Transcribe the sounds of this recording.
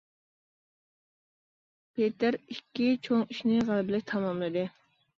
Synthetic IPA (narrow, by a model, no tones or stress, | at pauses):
pʰet̪ɪɾikʲːit͡ʃʰoŋiʃnɪʁælbɪlɪkʲt̪ʰɑmɑmlˠɨd̪ɨ